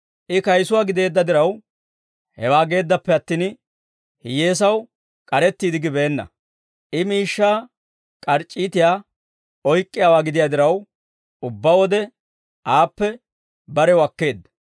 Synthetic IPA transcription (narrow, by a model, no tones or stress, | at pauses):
ʔɪkɐjsʊwaːɡɪd̪e̞ːd̪ːɐd̪ɪɾɐw | hɛwaːɡe̞ːd̪ːɐpːɛɐt̪ːiːn | hɪjeːs̬ɐw | kʼɐɾɛt̪ːiːd̪ɪɡɪbe̞ːnːɐ̰ | ʔɪmiːʃːaː | kʼɐɾt͡ʃʼːiːt̪ɪjaː | ɔjkʼːɪjaːwaːɡɪd̪ɪjaːd̪ɪɾɐw | ʊbːawɔd̪ɛ | aːpːɛ | bɐɾɛwɐkːe̞ːd̪ːɐ